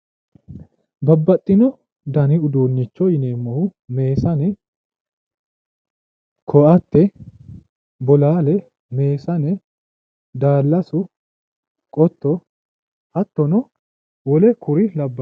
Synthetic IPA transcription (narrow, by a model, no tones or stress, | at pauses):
bɐbːɐt̪ʼːɪnɔ | d̪ɐnɪʊd̪uːnːɪt͡ʃːɔɪneːmːɔhʊme̞ːsɐnɛ | kʰɔʔɐt̪ːɛ | bɔlaːlɛ | me̞ːsɐnɛ | d̪aːlːɐsʊ | kʼɔt̪ːɔ | ɐt̪ːɔnɔ | wɔlɛkʰʊɾɪlɐbːɐ